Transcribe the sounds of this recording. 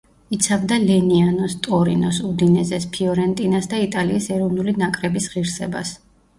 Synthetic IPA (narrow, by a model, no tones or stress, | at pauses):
it̪sʰabd̪alɛnianɔst̪ʼɔɾinɔsud̪inɛzɛspʰiɔɾɛnt̪ʼinasd̪ait̪ʼaliːsɛɾɔvnulinakʼɾɛbisʁiɾsɛ̰ba̰s